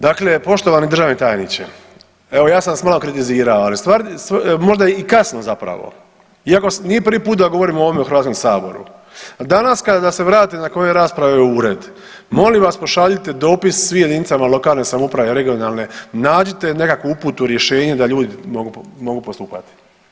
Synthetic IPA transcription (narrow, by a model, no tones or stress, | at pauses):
d̪akle̞po̞ʃt̪oʋanid̪ɾr̩ʒaːʋnit̪aːjnit͡ɕḛ | e̞ʋo̞jaːsansmaːlˠo̞kɾit̪iziːɾaoalist̪ʋaːɾsmo̞ʒd̪ajeikasno̞zapɾa̰ʋo̞̰ | iako̞snijepɾ̩ʋipuːt̪d̪aɡo̞ʋo̞ɾiːmoo̞ʋomeuxɾʋat̪ko̞msaːbo̞̰ɾṵd̪anaskad̪ad̪ase̞ʋɾaːt̪inako̞jeɾaːspɾaʋeeuːɾe̞d̪ | mo̞limʋaspo̞ʃaʎit̪ed̪o̞ːpissʋimje̞d̪init̪samalˠo̞kaːlˠne̞samupɾaʋeɾe̞ɡio̞naːlˠne̞naːd͡ʑit̪e̞ne̞kakʋuupuːt̪uɾje̞ʃe̞ːɲe̞d̪aʎuːd̪imoɡumo̞ɡupost̪uːpat̪i̥